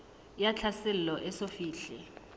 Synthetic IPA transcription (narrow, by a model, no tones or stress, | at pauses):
jat͡ɬʰasɛl̩lɔʔɛsofiːɬɛ